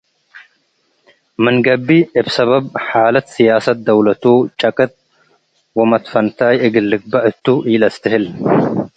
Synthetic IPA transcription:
mɐŋɡɐbːiːɪbsɐbɐbħaːlɐt̪sɪjaːsɐt̪̚d̪ɐwlɐt̪uːt͡ʃʼɐkʼɐt̪̚ | wɔmɐt̪fɐnt̪aːjɪɡɪlːɪk̚bɐʔɪt̪ːuːʔiːlɐst̪ɛɦɛl

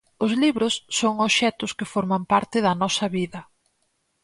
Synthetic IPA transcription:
ʊzliβɾʊsːoŋoʃɛt̪ʊskɪfoɾmɐmpaɾt̪ɪðɐnɔsɐβiðɐ

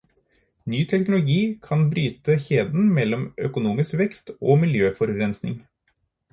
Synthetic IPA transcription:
nyːt̪ʰɛknʊlʊɡiːkʰɑnbɾyːt̪əçeːd̪n̩mɛlːɔmœkʊnuːmɪskʋɛkst̪oːmɪljøːfɔɾɾɛnsnɪ̰ŋ

